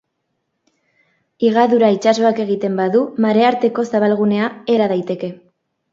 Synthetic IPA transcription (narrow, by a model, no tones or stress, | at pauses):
iɣaðuɾait͡ʃaso̞ake̞ɣ̞it̪e̞mbaðumaɾe̞aɾt̪e̞ko̞saβ̞alɣune̞ae̞ɾað̞ajt̪e̞ke̞